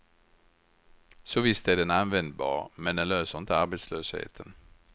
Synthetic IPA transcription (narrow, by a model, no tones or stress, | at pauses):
sɔvɪst̪æɖɛnanvɛnd̪bɑ̰ːɾmɛnd̪ɛnløːsəɾɪnt̪əaɾbet̪sløːshḛːt̪ʰən